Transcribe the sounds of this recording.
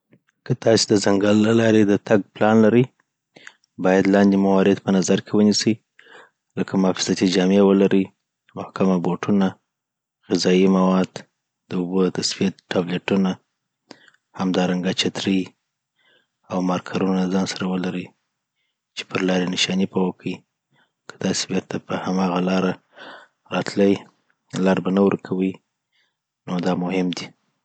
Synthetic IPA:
kət̪ɑsed̪əzaŋɡalːalɑɾed̪ət̪aɡ̚plɑnlaɾəj | bɑjad̪lɑnd̪emawɑɾɪd̪pənazaɾkʰewənisə | ləkamɑfɪ̥zat̪id͡ʒɑmewəlaɾʔəj | mʊhkamaboʈʰuna | ɣɪzɑimawɑd̪ | d̪̥əubot̪asfijat̪ʈːableʈuna | hamd̪ɑɾaŋɡat͡ʃat̪ɾəj | awmɑɾkʰaɾunaləzɑnsaɾawəlaɾə | t͡ʃe̥pəɾlɑɾenɪʃɑnipawakʰəi | kʰḁt̪ɑse̥beɾt̪ʰapəhamɑɣalɑɾa | ɾɑt̪ləj | lɑɾbanawə̰ɾkʰawəj | nod̪ɑmʊhɪmd̪i

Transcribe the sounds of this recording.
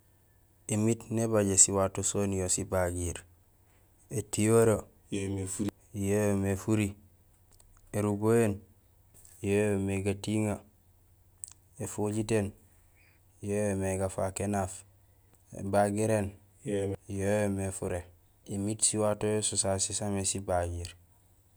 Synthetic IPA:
imitnebaɟesiwatosonijosibaɡiɾ | etijoɾo | efuɾ | jojomefuɾi | eɾuɡojen | jojomeɡatiŋa | efoɟiten | jojomeɡafakenaf | ḛbaɡiɾen | jojomefuɾe | imitsiwatojosusasisamesibaɡiːɾ

